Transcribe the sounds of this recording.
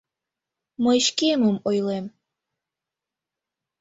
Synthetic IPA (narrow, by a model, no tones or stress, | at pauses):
məʃkeməmojlem